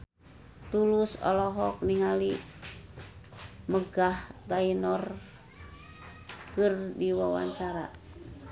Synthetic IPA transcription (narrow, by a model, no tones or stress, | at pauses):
t̪ulusɔ̰lɔɦɔk̚niŋali | məɡaht̪ainɔr | kɨrdiwawa̰ɲt͡ʃaɾa̰